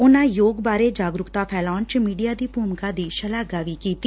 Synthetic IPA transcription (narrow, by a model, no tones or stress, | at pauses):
ʊnãːjoːɡbaːɾeːd͡ʒaːɡɾʊkt̪aːpʰɛːlaːnt͡ʃmiːɖijaːd̪iːbuːmkaːd̪iːʃəlaːɡaːʋiːkiːt̪iː